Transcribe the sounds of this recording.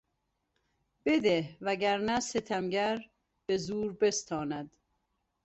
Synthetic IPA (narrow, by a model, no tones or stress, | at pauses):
b̥ed̪ehvæɡæɾnæset̪ʰæmɟæɾ | b̥ezuːɾbe̞st̪ʰɒːnæd̪̥